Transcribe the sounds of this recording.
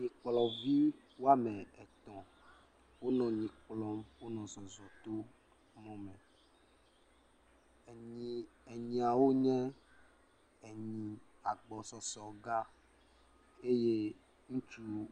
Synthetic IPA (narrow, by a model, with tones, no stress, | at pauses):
ɲi˨k͡plɔ˨vi˦ | wo˦a˦mɛ̃˨ɛ˨t̪ɔ̃˨ | wo˦nɔ̃˨ɲĩ˨k͡plɔ˦mwo˦nɔ̃˨zɔ˨zɔ˨t̪o˦ | mɔ̃˦mɛ̃˨ | ɲĩ˨ɛ˨ɲĩ˨a˨wo˦ɲɛ̃˦ | ɛ˨ɲĩ˨ | a˨ɡ͡bɔ˨sɔ˨sɔ˨ɡa˦ | e˦je˦ | ŋũ˦t͡ʃu˦